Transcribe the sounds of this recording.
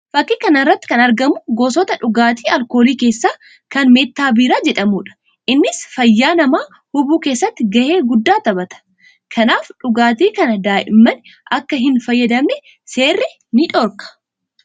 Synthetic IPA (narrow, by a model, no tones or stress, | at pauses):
fɐkːiːkɐnɐrːɐt̪ːɪ̥kɐnɐɾɡɐmʊɡoːsɔt̪ɐᶑʊɡaːt̪iːɐlko̞ːliːke̞ːsːaː | kɐnmeːt̪ːaːbiːɾaːd͡ʒɛᶑɐmʊᶑɐ̥ | ʔɪnːɪsfɐjːaːnɐmaː | hʊbuːke̞ːsːɐt̪ːɪɡɐʔe̞ːɡʊd̪ːaːt̪ɐbɐt̪ɐ̥ | kʰɐnaːfᶑʊɡaːt̪̬iːkɐnɐd̪aːʔɪmːɐnʔɐkːɐɦɪnfɐjːɐd̪ɐmnɛ | se̞ːrːɪ | nɪᶑɔɾkɐ̥